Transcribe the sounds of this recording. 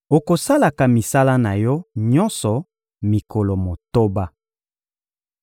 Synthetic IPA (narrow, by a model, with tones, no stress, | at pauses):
o˨ko˨sa˦la˨ka˨mi˨sa˦la˦na˨jɔ˦ɲɔ̃˦nsɔ˨ | mi˨kɔ˨lɔ˨mo˨to˦ba˦